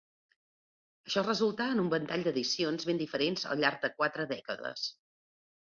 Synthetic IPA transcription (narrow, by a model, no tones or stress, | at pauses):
əʃɔrəzulˠt̪aənumbənt̪aʎʲd̪əðisionzβend̪ifəɾenzə̰lˠʎaɾɡ̚d̪əkwat̪ɾəðɛkəðə̰s